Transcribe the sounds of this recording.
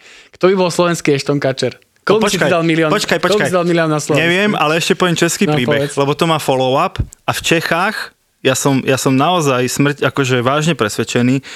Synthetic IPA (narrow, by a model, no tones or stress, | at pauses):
kt̪ɔbibɔlˠslɔʋɛnskiɛʃt̪ɔnkat͡ʃɛɾ | kɔbpɔst͡ʃkad̪almilɪɔnpɔt͡ʃkajpɔt͡ʃkajd̪almiliɔnaslɔɲɛʋɪɛmalɛɛʃcɛpɔʋjɛmt͡ʃɛskiːpɾɾiːbɛxlɛbɔt̪ɔmaːfɔlɔʊapaft͡ʃɛxaːx | jasɔmjasɔmnaɔzajsmr̩cakɔʒɛʋaːʒɲɛpɾɛsʋɛt͡ʃɛniː